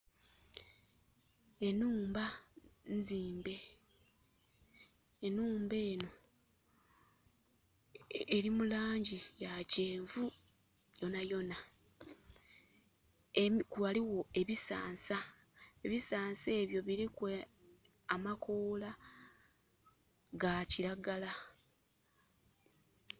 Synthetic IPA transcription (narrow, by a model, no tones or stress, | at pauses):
enuːmbanziːmbe̞ | nuːmbe̞ːno̞ | eɾimulaːɲɟijaceːɱvu | jo̞najo̞na | ekwaliwo̞e̞βisa̰ːnsa | e̞βisaːnse̞ːβjo̞βiɾikwe | amakʰoːla | ɡaciɾaɡala